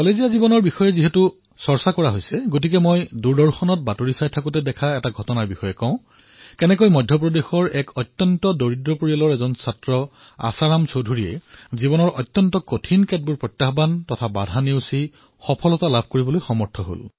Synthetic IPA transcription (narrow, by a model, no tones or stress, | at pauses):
kɔlezijazibɔnɔɹbixɔjɛziɦɛtu | sɔɹsakɔɹaɦojsɛɡot̬ik̬ɛmojduɹdɔɹxɔnɔt̚batoɹisajtʰakutɛdɛkʰaɛtaɡʱɔtɔnaɹbixɔjɛkɔ̃ʊ̃ | kɛnɛkojmɔjdʱjɔp̬ɹɔdexɔɹɛkʰɔtːjɔntɔdoɹidɹɔpoɹiɔlɔɹɛzɔnsatɹɔ | a̰saɹamsodʱuɹiɛ̰zibɔnɔɹʔɔtːjɔntɔkotʰinkɛt̚buɹpɹɔjtjaxbantɔtʰabadʱaneʊsi | xɔpʰɔlɔtalabʱkoɹibɔlojxɔmɔɹtʰɔɦo̰l